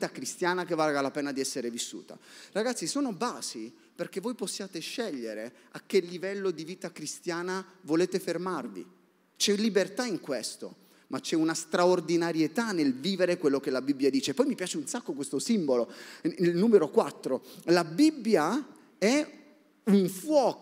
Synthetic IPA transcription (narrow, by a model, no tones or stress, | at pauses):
t̪akɾist̪jaːnakevːalɡalapɛːnad̪iɛsːeɾevisːṵːt̪a̰raɡat̪sisoːnobaːsi | perk̟evːojposːjaːt̪eʃːɛʎːeɾe | ak̟ːelːivɛlːod̪iviːt̪akɾist̪jaːnavoleːt̪efermarvḭ | t͡ʃɛlːibert̪aiŋkwest̪o̰ | mat͡ʃːɛunast̪ɾaord̪inaɾjet̪anelviːveɾekwelːok̟elːabibːjad̪iːt͡ʃepɔjmipjaːt͡ʃeunsakːokwest̪osimboloilnuːmeɾokwat̪ːɾolabibːja | ɛ | uɱfwɔːk